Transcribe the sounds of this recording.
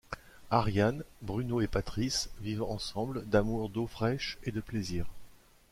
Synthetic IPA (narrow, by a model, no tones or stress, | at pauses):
aʁjanbʁynoepat̪χisvivɑ̃sɑ̃bld̪amuʁd̪ofχɛʃed̪əpleziːʁ